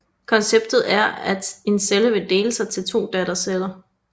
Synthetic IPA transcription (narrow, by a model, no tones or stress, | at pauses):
kʰɒ̽nseb̥d̥ð̞̩ˠæɐæd̥e̝nseləʋe̝d̥e̝̰ːləsɑ̈ɪt͡sʰe̝lt͡sʰo̝̰ːd̥æɾ̥ɐselɐ